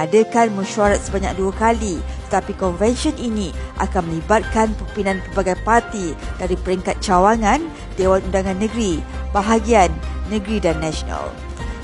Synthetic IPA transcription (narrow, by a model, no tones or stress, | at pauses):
adəkanmə̃ʃuaɾat̪̚səbaɲa̰k̚duakalit̪ə̥t̪apikɔnvɛnsiɔninĩʔa̰kanmə̃libat̪̚kanpəmpinãnpərbaɡajpart̪id̥aɾipəɾiŋkat̪̚t͡ʃawaŋãn | dewanudaŋãnːə̃ɡɾibaɦaɡianːə̃ɡɾidanːasona̰l